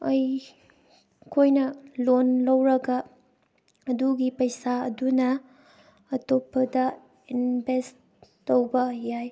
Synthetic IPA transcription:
ɐj | kʰojnɐlonlɐwɾɐɡɐ | ɐduɡipɐjsaɐ̰dunɐ | ɐtopʰːɐdɐ | inbestː | owbɐjaj

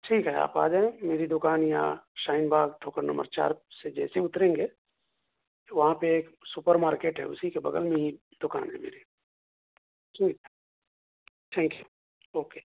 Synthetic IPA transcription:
ʈʰiːkɦɛa̰ːpa̰ːd͡ʒaːẽmeːɾid̪ʊkaːnjã̰ʃaːɪnbʱaːɡt̪ʰoːkəɾnə̰mbə̰ɾt͡ʃa̰ːɾsed͡ʒɛ̰ːseʊt̪ɾẽːŋɡeː | ʋɐɦãpeeːksʊpəɾmaːɾkeːʈɦɛ̰ʊ̰sikebɐ̰ɡəlmẽɦi | d̪̥ʊka̰ːnɦɛ̰mḛːɾi | ʈʰiːkɛ | ʈʰɛ̃ːŋkju | oːkeː

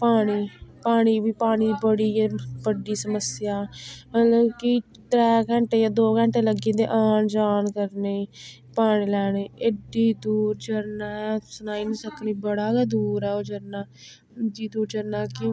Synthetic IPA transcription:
paːɽ̃iːpaːɽ̃iːbiːpaːɽ̃iːbəɽiːbəɖiːsəməsɪjaːməloki | t̪ɾɛːkə̃ɳʈeːjaːd̪oːkə̃ɳʈeːləɡiːd̪ḛːʔaːnd͡ʒaːnkəɾneː | paːɽiːlɛːɽ̃eːɪɖiːd̪uːɾd͡ʒəɾnaːɛsʊnaːinĩːsəkniːbəɽaːɡɛd̪uːɾɛːoːd͡ʒəɾnaː | d͡ʒiːd̪uːɾd͡ʒəɾnaːkɪ

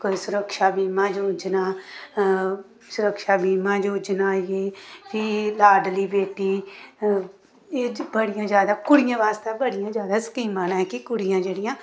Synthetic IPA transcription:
koisʊɾəkʃaːbiːmãːd͡ʒoːd͡ʒnaː | sʊɾəkʃaːbiːmãːd͡ʒoːd͡ʒnaːijeːbiːlaːɖliːbeːʈiː | eːbəɽɪjãːd͡ʒjaːd̪aːkʊɽɪjãːʋaːst̪eːbəɽɪjãːd͡ʒjaːd̪aːsə̥kiːmãːnãːɦɛkɪkʊɽɪjãːd͡ʒeːɽɪjãː

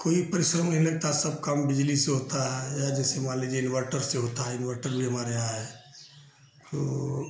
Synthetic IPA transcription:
koːipəɾɪsɾəmnəɦiləɡ̚t̪asəb̚kambɪd͡ʒliseɦot̪aɦɛjad͡ʒɛːsemãled͡ʒeɪnʋəɾʈəɾseɦot̪aɦɛɪnʋəɾʈəɾbʱiɦəmaɾeɦaɦɛ | t̪o̰

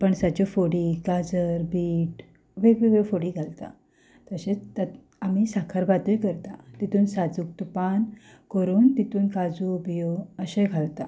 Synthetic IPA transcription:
pəɳsad͡ʑɔfoɽiɡad͡zəɾbiːʈ | ʋeɡʋeʋefoɽiːɡʱalt̪a̰ | t̪əɕet͡st̪a | amisakʰaɾbat̪əjkəɾt̪at̪it̪uːnsad͡zuk̚t̪upankəɾuːnt̪it̪uːnkad͡zuːbijoəɕẽɡʱalt̪a

